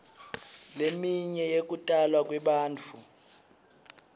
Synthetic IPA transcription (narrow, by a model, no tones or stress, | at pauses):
lemiɲɛjek̬ʼutʼalwakʼwɛɓaːnt͡fʰu